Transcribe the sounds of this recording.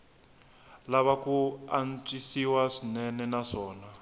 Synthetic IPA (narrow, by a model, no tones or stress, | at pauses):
laβakuant͡ʃʼisiwaʂinɛnɛnaʂɔːna